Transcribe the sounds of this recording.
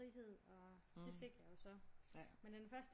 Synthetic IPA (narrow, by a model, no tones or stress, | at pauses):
iɦe̝ð̰ˠɒ̽d̥e̝fe̝ɡ̥jɑ̈jo̝sɒ̽mend̥enfɶɐsd̥